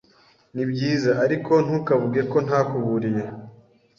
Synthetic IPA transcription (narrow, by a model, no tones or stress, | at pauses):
nibɟiːzaʔaɾiko̞n̥ukavuɡe̞ko̞n̥haːkuβuɾije̞